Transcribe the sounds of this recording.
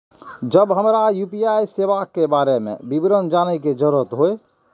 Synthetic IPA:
d͡ʒəbɦəmɾajupijajsebakːebaɾemḛbibɾənd͡ʒanəjked͡ʒəɾət̪ɦoe

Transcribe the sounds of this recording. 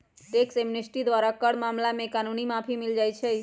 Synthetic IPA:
t̪eksemnesʈid̪ʋaɾakəɽmamlamekanunimapʰimild͡ʒajt͡ʃʰɛ

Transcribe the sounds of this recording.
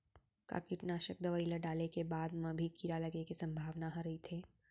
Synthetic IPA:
ka̰kɪʈnaːʃək̚d̪ɐʋəːilaɖaːlekebaːd̪mɐ̃bʱikiɾalɐɡekisɐ̃mbʱaːʋnaɦãɾɐɦit̪ʰeː

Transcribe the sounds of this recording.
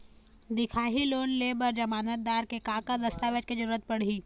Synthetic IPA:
d̪ɪkʰaːɦiloːnleːbəɾd͡ʒɐmaːnət̪̚d̪aːɾkekaːkad̪ɐst̪aːʋət͡ʃked͡ʒɐɾuːɾət̪̚pɐɽ̤iː

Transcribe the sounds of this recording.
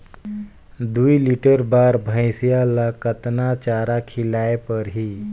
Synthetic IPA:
d̪uːjliʈəɾbaɾbʱə̃j̃sjalakət̪nat͡ɕaɾakʰilajpəɾɦiː

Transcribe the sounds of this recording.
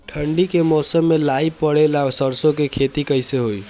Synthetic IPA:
ʈʰəɳɖikemɔsəmːelaipəɽelasəɾsõkekʰet̪ikəɪseɦoj

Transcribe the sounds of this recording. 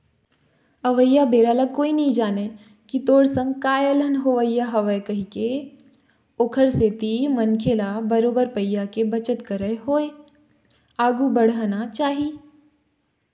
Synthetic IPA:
ɐʋəjːabeːɾaːlakoːinɐɦĩd͡ʒaːne | kit̪oːɽsə̃ŋɡkaːjələnɦoʋəjːaɦɐʋəkɐɦike | oːkʰəɾset̪imɐnkʰeːlabɐɾoːbəɾpɐjːakebɐt͡ʃət̪kəɾəɦoːe | aːɡubəɽ̤anat͡ʃaːɦi

